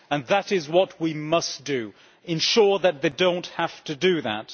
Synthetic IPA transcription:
ə̃nðəɾɪzwʌt̚wimʌsd̥ɨ | ɨ̃nʃɔɹðɨt̪̚ðeɪdõʊ̃nt̚hæftʰɨdɨðə̰t̚

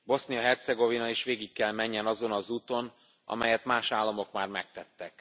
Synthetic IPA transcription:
bo̞snijɒɦɛrt̪sɛɡo̞vinɒeːʃʋeːɡikːɛlmɛɲːɛnɒzo̞nɒzuːt̪o̞n | ʔɒ̰mɛjɛt̪maːʃaːlːɒmo̞kmaːrmɛk̚t̪ɛt̪ːɛk

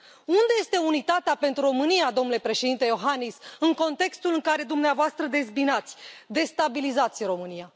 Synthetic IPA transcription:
und̪eje̞st̪e̞unit̪at̪eape̞nt̪ɾuro̞mɨnijad̪o̞mnule̞pɾe̞ʃe̞d̪int̪e̞jo̞ɦanisɨŋko̞nt̪e̞kst̪ulɨŋkaɾe̞d̪umneavoast̪ɾəd̪e̞zbinat̪sʲd̪e̞st̪abilizat̪sʲro̞mɨnija

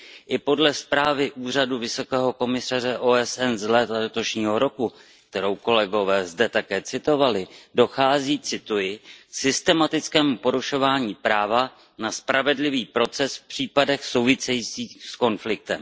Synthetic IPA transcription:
ʔɪpo̞dlɛspɾaːvɪʔuːr̝aduvɪso̞kɛːɦo̞ko̞mɪsar̝ɛʔoːɛsɛnzlɛːt̪alɛt̪o̞ʃɲiːɦo̞ɾo̞ku | k̚t̪ɛɾo̞wko̞lɛɡo̞vɛːzdɛt̪akɛːt͡sɪt̪o̞valɪdo̞xaːziːt͡sɪt̪ujɪsɪst̪ɛmat̪ɪt͡skɛːmupo̞ɾuʃo̞vaːɲiːpɾaːva | naspɾavɛdlɪviːpɾo̞t͡sɛsfpr̝̥iːpadɛxso̞wvɪsɛjiːt͡siːsko̞nflɪk̚t̪ɛm

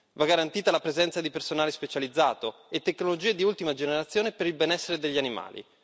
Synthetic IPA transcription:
vaɡaɾant̪iːt̪alapɾezɛnt̪sad̪ipersonaːlespet͡ʃalid̪zːa̰ːt̪o | et̪ːekːnolod͡ʒiːed̪iult̪imad͡ʒeneɾat̪sːjoːnepeɾilbenɛsːeɾed̪eʎːianima̰ːlḭ

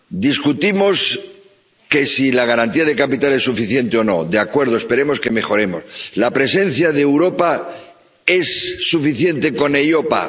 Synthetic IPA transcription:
d̪iskut̪imo̞s | ke̞silaɣ̞aɾant̪iað̞e̞kapit̪ale̞sːufiθje̞nt̪eo̞no̞̰d̪eakwe̞ɾð̞oespe̞ɾe̞mo̞ske̞me̞xo̞ɾe̞mo̞̰slapɾe̞se̞n̟θjaðeːwɾo̞pa | e̞sːufiθje̞nt̪e̞ko̞nejo̞pa̰

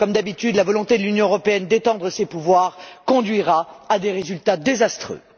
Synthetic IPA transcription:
kɔmd̪abit̪yd̪lavɔlɔ̃t̪ed̪əlynjɔ̃øʁɔpeɛnd̪et̪ɑ̃d̪ʁəsepuvwaʁkɔ̃d̪ɥiʁaad̪eʁezylt̪ad̪ezast̪χø̰

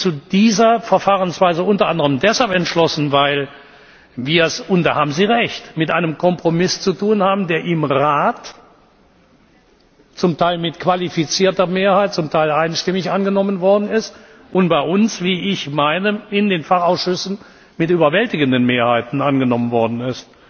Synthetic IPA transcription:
t͡sudiːzɐfɛɐfaːʁənsv̥aɪzəʔʊntɐʔandəʁəmdɛshalpɛntʃlɔsn̩vaɪl | viːɐɛsʊntd̥aːhaːbm̩ziːʁɛçtmɪtʔaɪnəmkʰɔmpʁ̥omɪst͡sutuːnhaːbm̩deːɐʔɪmʁaːt | t͡sʊmtʰaɪlmɪtkv̥alifit͡siːɐtɐmeːɐhaɪt̚t͡sʊmtʰaɪlaɪnʃtɪmɪçʔanɡənɔmənvɔɐdn̩ɪst | ʔʊntb̥aɪʔʊnsv̥iːɪçmaɪnəɪndeːnfaχaʊsʃʏsn̩ | mɪtʔyːbɐvɛltɪɡəndənmeːɐhaɪtn̩ʔanɡənɔmənvɔɐdn̩ɪst

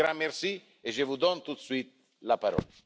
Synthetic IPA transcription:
ɾamːeɾsi | eʒevud̪ɔnt̪ut̪swit̪̚ | lapaɾɔ̰la

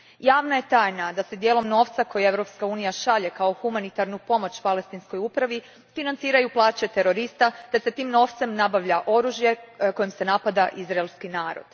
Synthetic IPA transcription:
jaːʋnaje̞t̪aːjnad̪ase̞d̪jeːlˠo̞mno̞ːft̪sako̞jee̞ʋɾo̞pskauːnijaʃaʎe̞kao̞xumanit̪aɾnupo̞mo̞t͡ɕpale̞st̪insko̞jupɾaʋi | finant̪siːɾajuplˠaːt͡ɕe̞t̪e̞ɾo̞ɾist̪at̪e̞se̞t̪iːmno̞ːft̪se̞mnabaʋʎaʔo̞ɾuʒje̞ko̞jimse̞napad̪aʔizɾaelˠskinaːɾo̰d̪̥

